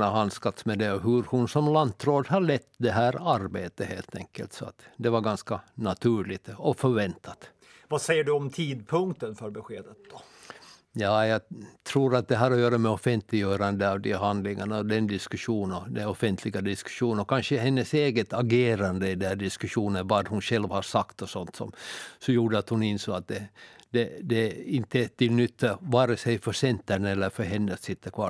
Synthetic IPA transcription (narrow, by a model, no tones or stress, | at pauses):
aɦanskat̪smɛd̪ɛɔɦɵɾhʊnsɔmlant̪ɾoːd̪ɦaɭɛt̪ːd̪ɛɦæːɾaɾbeːt̪əhḛːlt̪ʰɛ̰ŋkːə̰lt̪sɔa̰t̪d̪ɛvaɾɡanskanat̪ʰʉːɭɪɡt̪ɔfœɾvɛnt̪ʰat̪ | vasɛjːəɖɵɔmt̪ʰiːd̪pʰɵŋk̚t̪ənfœɾbɛɧeːd̪ət̪̚d̪̥ɔ | jɑːjɑːɡt̪ʰɾuːɾat̪̚d̪ɛɦaɾɔjøːɾamɛɔfɛnt̪lɪɡjœːɾand̪əɑvd̪ɛɦand̪lɪŋaɳad̪ɛnd̪ɪskʉʂuːnɔd̪ɛnɔfɛnt̪ʰlɪɡad̪ɪskʉ̥ʂuːnənɔkʰanʂəɦɛnːəseːɡət̪aɡeːɾand̪əɪd̪ɛnhæːɖɪskʉʂuːnənvad̪hʊnɧɛlʋhaɾʂakt̪ɔsɔnt̪sɔ̰msɔjuːɖəat̪hʊnɪnsoːɡat̪̚d̪ɛd̪ɛd̪ɛɪnt̪ːət̪ʰɪlnʏt̪ʰːavɑːɾəsɛjfœʂɛnt̪ːæɳɛlːəɾfœɾɦɛnːət̪sɪt̪ːəɾkʰvɑ̰ː